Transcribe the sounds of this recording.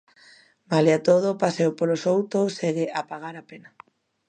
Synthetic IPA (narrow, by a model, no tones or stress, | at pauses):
maleat̪oð̞opasewpolosowt̪oseɣeʔapaɣ̞aɾapena